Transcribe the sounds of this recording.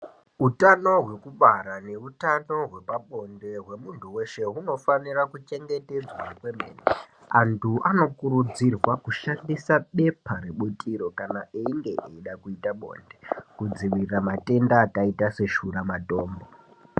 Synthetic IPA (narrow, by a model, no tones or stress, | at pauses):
utano̞ɦwe̞kuɓaɾane̞utanoɦwe̞paɓo̞nde̞ɦwe̞muntʰuwe̞ʃe̞ɦuno̞fanirakut͡ʃe̞ŋɡe̞te̞d͡zwakwemḛːne | antʰuʔano̞kuɾud͡zirwakuʃandisaɓe̞pʰaɾeɓutʼiɾo̞kanaʔeiŋɡe̞ʔeiɗakuitaɓo̞̰nde̞kud͡ziʋirramatʼe̞ndaːkaitase̞ʃuramato̞ːmbo